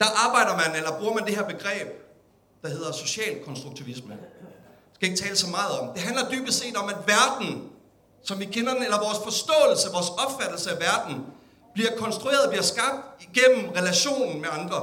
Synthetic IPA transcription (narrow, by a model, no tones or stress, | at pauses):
d̥ɑ̈ʔɑ̈ːb̥ɑ̈ɪ̰ɾɐmænelɐb̥ʁuːɐmænd̥eɦeɐ̰b̥e̝ɡ̥ʁɛ̰ːb̥̚ | d̥ɑ̈ɦe̝ð̞̰ˠɐso̝ɕɛ̰ːlkʰɒ̽nsd̥ʁuɡ̥̚t͡sʰiʋismə | sɡ̥æe̝ɡ̥ət͡sʰɛːləsɒ̽mɑ̈ːð̞̩ˠɒ̽md̥e̝ɦænlɐd̥yːb̥d̥se̝̰ːdɒ̽mæd̥ʋæɐd̥n̩ | sɒ̽mʋikʰenɐn̩elɐʋɒːsfɒ̽sd̥ɔ̰̽ːl̩səʋɒːsɒ̽b̥fæd̥l̩səæʋæɐd̥n̩ | b̥liɐkʰɒ̽nsd̥ʁue̝ːɐð̩ˠɒb̥liɐsɡ̥ɑ̈b̥̚d̥iɡ̥en̰m̩ʁɛlæɕo̝̰ːnn̩meɑ̈nd̥ʁɐ